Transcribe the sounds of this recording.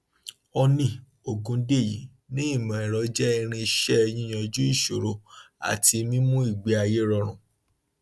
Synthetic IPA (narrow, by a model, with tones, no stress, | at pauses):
ɔ˧nĩ˧˨ | o˨ɡũ˨˧˦de˦˨jḭ˨˦ | nĩ˦i˦˨mã˨ɛ˨ɾɔ˨˦d͡ʒɛ˦i˧ɾ̃ĩ˧˦ʃɛ˦˧jĩ˦j̃ã˧e˧d͡ʒu˦i˦˨ʃo˨ɾo˧ | a̰˨ti˧mĩ˦mũ˦i˦˨ɡ͡be˨˦a˧je˦ɾɔ˧ɾ̃ũ˨